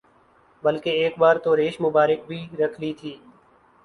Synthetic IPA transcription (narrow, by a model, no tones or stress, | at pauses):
bəlkeːeːkbaːɾt̪oːɾeːʃmʊbaːɾɪk̚bʱiːɾəkʰliːt̪ʰiː